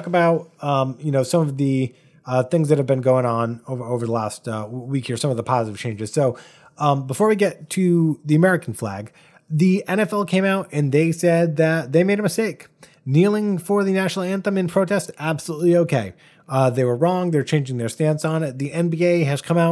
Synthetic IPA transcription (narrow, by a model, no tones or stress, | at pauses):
kəbaʊt̚ʌmjɨnoʊsʌ̃mʌvðɨ | ʌθɪ̃ŋzðɨt̚hɨvbɨ̃nɡoʊɪ̃ŋə̃noʊvə˞oʊvə˞ðəlæstʌwikhiɹsʌ̃mʌvðəpʰɑzzʌv̥t͡ʃʰẽɪ̃nd͡ʒɨz̥soʊ̃ | bəfɔɹwiɡɛtʰɨðiɨmɛɹɨkn̩flæ̰ɡ | ðiɛ̃ɾ̃ɛfɛlˠkʰẽɪ̃maʊɾɨ̃nðeɪsɛd̪̚ðɨt̪̚ðeɪmeɪɾɨ̃mɨsteɪk | nilˠɪ̃ŋfə˞ðɨnæʃnl̩ˠæ̃nθə̃mɨ̃npʰɹ̥oʊtʰɛstæb̥səlutˡlioʊkʰeɪ | ðeɪwə˞ɹɔ̃ŋðə˞t͡ʃʰẽɪ̃nd͡ʒɪ̃ŋðə˞stæ̃nsn̩ɪt̪̚ðiʔɛ̃nbieɪɨz̥kʰʌ̃maʊt